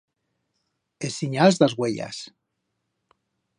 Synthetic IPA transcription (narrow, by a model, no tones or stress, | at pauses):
esiɲazðazɣweʎa̰s